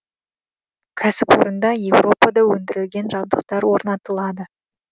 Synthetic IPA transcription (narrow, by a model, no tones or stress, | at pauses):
kʲʰæsɪpwo̞̰ɾənd̪ɑje̞wɾo̞pɑd̪ɑwɵnd̪ɪɾɪlɡʲe̞nʒɑb̚d̪əqt̪ɑɾwo̞ɾnɑt̪əlˠɑd̪ə